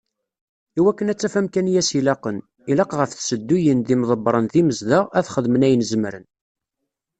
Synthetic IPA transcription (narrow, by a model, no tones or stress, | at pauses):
iwækːənæt͡sːæfæmkænjæsilɑqən | ilɑqʁəfθsəd̪ːujənðimðˤəbɾˤənðiməzðəæθχəðmənæjənzəmɾə̰n